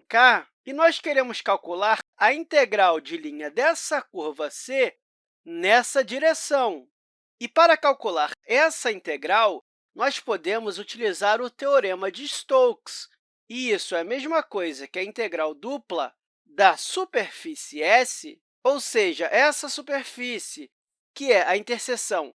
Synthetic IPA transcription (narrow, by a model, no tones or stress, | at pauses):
ka | ɪnɔskeɾẽmʊskawkulaɾɐĩt̪eɡɾawd͡ʒɪlĩɲɐd̪ɛsɐkuɾvɐse | nɛsɐd͡ʒiɾesɐ̃w̃ | ɪpaɾɐkawkulaɾɛsɐĩnt̪eɡɾaw | nɔspod̪ẽmʊzut͡ʃilizaɾʊt̪eoɾẽmɐd͡ʒɪst̪owks | ɪisʊɛɐmeʒmɐkojzɐkɪɐĩnt̪eɡɾawd̪uplɐ̰ | d̪ɐsupeɾfisɪɛsɪ | owseʒɐʔɛsɐsupeɾfisɪ | kɪɛʔɐĩnt̪eɾsesɐ̃w̃